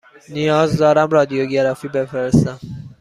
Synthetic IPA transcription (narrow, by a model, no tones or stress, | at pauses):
nijɒːzd̪ɒːɾæmrɒːd̪ijoɟeɾɒːfiːbefeɾest̪æm